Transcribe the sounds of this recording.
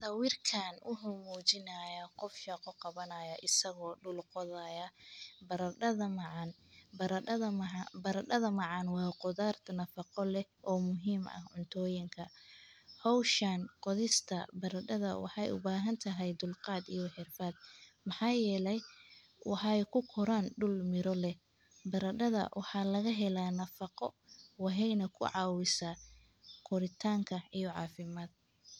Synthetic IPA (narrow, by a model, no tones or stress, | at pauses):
t̪ɐwɪrkʰaːnʔʊħʊmuːt͡ʃɪnɐjɐqɔfʃɛqɔqɑβɐnɐjɐʔɪsɐɣɔːɖʊlqɔðɐjɐbɐɾɐɖɐðɐmɐʕɑn | bɐɾɐɐðɐbɐɾɐɖɐðɐmɑʕɑnwɑːqʊðaːrt̪ʰɐnɐfɑqɔlɛʔɔːmʊɦiːmʔɐ̰hʕʊnt̪ʰɔːjɪŋkʰɐ | hɔwʃaːnqɔðɪst̪ʰɐ̰bɐɾɐɖɐðɐwɑ̰ħɑjʔʊ̰baːɦɐnt̪ʰɐɦɛjd̪ʊlqɑːd̪ijɔħɪrfɐːd̪̚mɑħɑːjɛːlɛj | wʔɑħɑɛjkʰʊkʰɔɾaːnɖʊlmɪɾɔlɛ | bɐɾɐɖɐðɐ̰wʔɑħɑːlɐɣɐɦɛlaːnɐfɑqɔwɑɦɛjnɐkʰʊ̰ʕɑːwɪsaː | kʰɔɾɪt̪ʰaːŋkʰɐijɔʕɑ̰ːfɪmaːd̪̚